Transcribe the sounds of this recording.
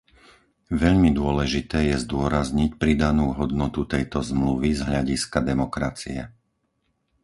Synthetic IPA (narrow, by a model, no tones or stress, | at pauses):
ʋɛʎmid̪ʊɔlɛʒit̪ɛːjɛzd̪ʊɔɾazɲicpɾid̪anuːɦɔd̪nɔt̪ut̪ɛjt̪ɔzmluʋizɦʎaɟiskad̪ɛmɔkɾat͡sḭɛ̰